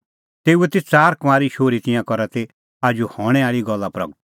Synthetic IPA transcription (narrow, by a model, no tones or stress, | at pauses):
t̪eːuɛt̪et͡saːɾkʋaːɾiʃoːɾit̪ɪ̃jãkɔɾat̪e | aːd͡ʒuhɔːɽ̃ɛ̃aːɭiɡɔlːapɾɐ̰ɡt̪̚